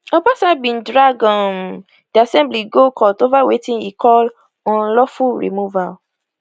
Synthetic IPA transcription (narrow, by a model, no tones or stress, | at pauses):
ɔbasabĩndɹaɡɔ̃n | diasɛ̃mbliɡokʰɔtovawetĩnikʰɔl | ɔ̃nlɔfuɹḭmuval